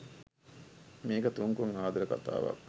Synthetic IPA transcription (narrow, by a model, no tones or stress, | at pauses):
meːkət̪uŋkuŋɦaːd̪ɐɾəkat̪a̰ːʋɐ̰k